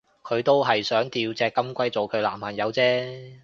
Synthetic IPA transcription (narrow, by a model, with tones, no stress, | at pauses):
kʰɵ˨˧ɥt̪o˥wɦɐ˨jsœː˨˥ŋt̪iː˧wt͡sɛː˧kːɐ˥mkʷɐ˥jt͡so˨wkʰɵ˨˧ɥla̰ː˨˩mpʰɐ˨˩njɐ˨˧wt͡sɛː˥